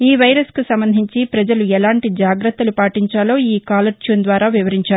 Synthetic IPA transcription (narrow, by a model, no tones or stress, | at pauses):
iːʋɐjɾɐskusɐmbɐnd̪ʱiɲt͡ʃipɾɐd͡ʒɐluɛlaːɳʈid͡ʒaːɡɾɐt̪ːɐlupaːʈiɲt͡ʃaːlo̞ːiːkaːlɐɾt͡ʃund̪ʋaːɾaːʋiʋɐɾiɲt͡ʃaːɾu